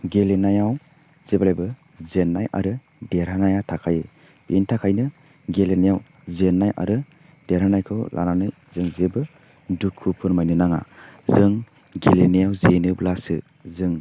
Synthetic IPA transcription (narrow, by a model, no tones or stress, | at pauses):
ɡelenajaw | z̥ebalajbɯ | zenːajʔa̰ɾɯ | deɾhanajatʰakʰaje | b̥ḭntʰakʰajnɯ | ɡelenajaw | zenːajʔa̰ɾɯ | d̥eɾhanajkʰɯwlʔa̰nanɯj | zɯŋzebɯ | dukʰɯpʰɯɾmajnɯnaŋa̰zɯŋ | ɡelenajawzenɯblasɯ̰ | zɯŋ